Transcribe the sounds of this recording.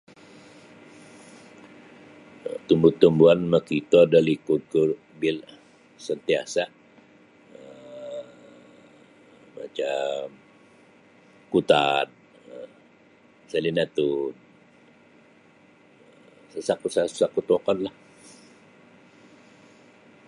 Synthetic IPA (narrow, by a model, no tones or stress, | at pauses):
t̪umbut̪umbuanməkit̪ɔdalikut̪̚ku | bil | sənt̪iasa | ə | at͡ʃam | kut̪an̚ | ə | salinat̪un | asakusasakut̪okɔnlah